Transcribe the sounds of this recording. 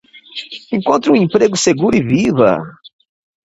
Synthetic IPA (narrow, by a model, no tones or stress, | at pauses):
ẽŋkõnt̪ɾʊũẽmpɾeɡʊseɡuɾʊivivɐ̰